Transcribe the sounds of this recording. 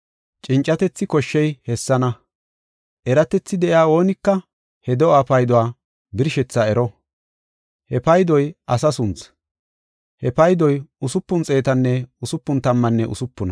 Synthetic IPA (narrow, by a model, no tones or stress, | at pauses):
t͡ʃʼɪnt͡ʃʼːɐt̪ɛt͡sːɪkɔʃːɛjhɛsːɐnɐ | ʔɛɾɐt̪ɛt͡sːɪd̪ɛʔɪaːo̞ːnɪkːɐ | hɛd̪ɔaːpɐjd̪ɔwaː | bɪɾʃɛt͡sːaɛɾɔ | hɛpɐjd̪ɔjʔɐsɐsʊnt͡s | hɛpɐjd̪ɔjʊsʊpːʊnt͡sʼe̞ːt̪ɐnːɛʊsʊpːʊnt̪ɐmːɐnːɛʔʊ̰sʊpːʊnɐ